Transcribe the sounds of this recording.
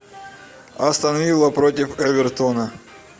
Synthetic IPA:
ɐst̪ɐnɐvʲilˠəpɾot̬ʲɪfɛvʲɪrt̪onɐ

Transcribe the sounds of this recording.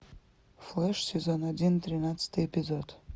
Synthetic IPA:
fleʂsʲezonadʲint̪ʼrʲinatt͡sʰɨ̥t̪ʰɨjepʲizod

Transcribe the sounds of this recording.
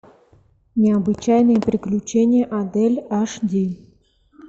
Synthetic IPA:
nʲɪɐbɨt͡ɕajnɨjəpɾʲɪklʲʉt͡ɕenʲɪjəʔɐd̪ɛlʲaʂdʲenʲ

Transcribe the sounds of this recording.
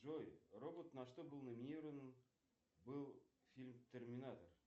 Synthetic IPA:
ʒojro̞bot̪nɑʃt̪əbʊlˠnomʲinʲiɾon | bəlˠ | fʲilʲmt̪ʰʲermʲinat̪or

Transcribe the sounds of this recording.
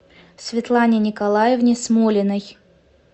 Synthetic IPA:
sʲvʲɪt̪lˠanʲɪnʲɪkɐlˠajɪvnʲɪsmolʲɪnəj

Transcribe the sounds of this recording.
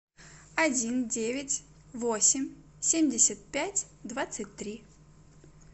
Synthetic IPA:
ɐdʲindʲevʲɪtʲ | vo̞sʲɪmʲ | sʲemʲdʲɪsʲət̪̚pʲætʲd̪vat̪sɨt̚ʲt̪ɾʲi

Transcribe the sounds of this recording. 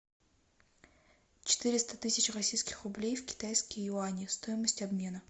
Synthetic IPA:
t͡ɕɪ̥t̪ɨɾʲɪst̪ət̪ɨsʲɪt͡ɕrɐsʲijskʲɪ̥xrʊblʲejfkʲɪ̥t̪ajskəjjʊanʲɪst̪ojɪməsʲtʲɐbmʲe̞nə

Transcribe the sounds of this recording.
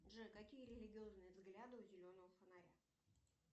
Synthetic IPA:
ʐɨkɐkʲijəɾʲɪlʲɪɡʲɪo̞znɨjəvzɡlʲad̪ɨʊzʲɪlʲo̞nəvəfənaɾʲa

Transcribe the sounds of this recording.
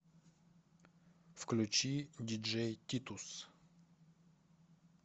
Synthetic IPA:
fklʲut͡ɕid̪ʲid͡ʒɛjt̪ʲit̪us

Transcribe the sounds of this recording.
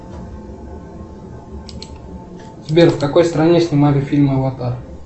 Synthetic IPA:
zbʲerfkɐko̞jst̪ɾɐnʲesʲnʲɪmalʲɪfʲilʲmɨɐvat̪ar

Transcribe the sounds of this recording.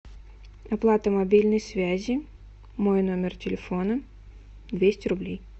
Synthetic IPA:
ɐplˠat̪əmɐbʲilʲnəjsvʲæzʲɪ | mojnomʲɪrtʲɪlʲɪfonə | d̪vʲesʲtʲɪɾʊblʲej

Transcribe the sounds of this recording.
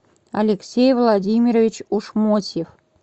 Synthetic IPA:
ɐalʲeksʲejvlˠɑdʲimʲiɾəvʲit͡ɕuʃmosʲef

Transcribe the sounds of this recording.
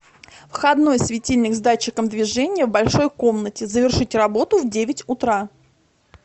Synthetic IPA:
fxɐd̪no̞jsvʲɪtʲilʲnʲɪɡzd̪at͡ɕːɪkəmd̪vʲɪʐɛnʲɪjəvbɐlʲʂo̞jko̞mnətʲɪzəvʲɪrʂɨtʲrɐbo̞t̪ʊvdʲevʲɪtʲʊt̪ɾa

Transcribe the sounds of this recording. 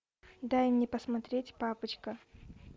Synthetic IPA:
d̪ajɪmnʲɛpəsmɐt̪ɾʲetʲpapət͡ɕkə

